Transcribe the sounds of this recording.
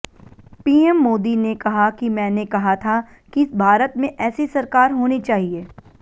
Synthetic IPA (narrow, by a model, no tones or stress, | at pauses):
piːɛmːoːd̪inekɐɦakimɛ̃ːnekɐɦat̪ʰa | kiɪsbʱaːɾət̪mẽʔɛːsisɐɾkaːɾɦoːnit͡ʃaːɦieː